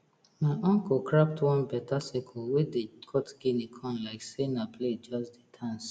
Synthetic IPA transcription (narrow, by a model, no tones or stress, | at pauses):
maɪʔɔ̃ŋkɔkɹap̚twɔ̃nbɛtʰasikʰɔlwedekʰɔtɡ̥inikʰɔ̃nlaɪksenapʰled͡ʒɔsdetʰãns